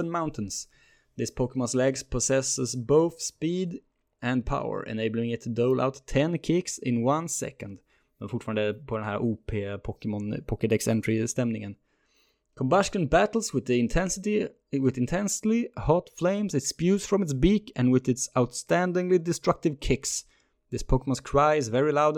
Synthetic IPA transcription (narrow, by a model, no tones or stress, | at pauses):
ə̃nmãʊ̃ntʰən̩s | ðɪspʰokəmɔ̃nslɛɡspʰɔsɛsəsboʊθspiːd̪ | ɨ̃npʰa̰ʊə̰˞ʔɨ̰neɪbl̩ˠɪ̃ŋɨt̪ʰːədoʊlʔa̰ʊtʰːɛ̃nkʰɪksɪ̃nwãnsɛ̰kə̃nd̪ | ðɛ̃nfʊʈfɑːə̃nd̪əpʰɔd̪ɛnhæɹʔupʰepʰɔkmɔ̃npʰɔkɨdɛksɛ̃ntɹ̥ɪstɛ̃mnɪ̃ŋə̃n | kʰə̃mbɑʃkə̃nbæɾl̩ˠswɪðiɪ̃ntʰɛnsti | wɪðɨ̃ntʰɛ̃nslihɔtflẽɪ̃msɨtspjʉz̥fɹɔ̃mɪtsbikɨ̃nwɪðɨtsaʊt̪stæ̃ndɪ̃ŋlidɨstɹ̥ʌk̚tɨvkʰɪks | ðɪspʰoʊkəmə̃nskʰɹ̥aɪzvɛɹilaʊd